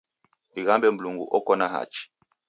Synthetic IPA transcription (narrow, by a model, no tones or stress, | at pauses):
iɣambɛmbluŋɡṵʔɔkɔnaɦa̰t͡ʃi̥